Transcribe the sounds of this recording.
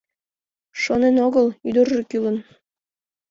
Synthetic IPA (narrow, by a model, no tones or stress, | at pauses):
ʃonenoɣɤlˠyd̪orʒekylə̆n